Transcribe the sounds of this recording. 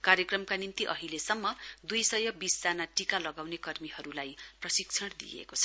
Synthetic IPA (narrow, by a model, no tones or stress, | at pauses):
karjʌkrʌmkanint̪iʔʌ̰ɦilesʌmːʌd̪ujsʌjʌbisd͡zanaʈikalʌɡawnekʌrmiɦʌɾulajprʌsikt͡sʰʌɽ̃d̪ḭjḛkot͡sʰʌ